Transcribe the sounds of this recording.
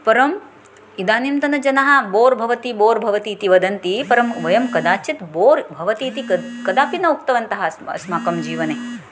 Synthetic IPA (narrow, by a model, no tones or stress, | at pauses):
pɐɾɐm | id̪aːnimt̪ɐnɐd͡ʒɐnɐɦɐboːɾbʱɐʋɐt̪iboːɾbʱɐʋɐt̪iːt̪iʋɐd̪ɐnt̪ipɐɾɐmʋɐjɐmkɐd̪aːt͡ʃit̪boːɾbʱɐʋɐt̪iːt̪ikɐd̪aːpinɐukt̪ɐʋɐnt̪ɐɦɐɐ̰smaːkɐmd͡ʒiːʋɐneː